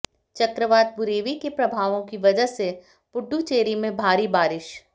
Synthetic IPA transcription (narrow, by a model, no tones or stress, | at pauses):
t͡ʃəkɾəʋaːt̪̚bʊɾeːʋikepɾɐbʱaːʋõkiʋɐd͡ʒəɦse | pʊɖːut͡ʃeːɾimẽbʱaːɾibaːɾɪʃ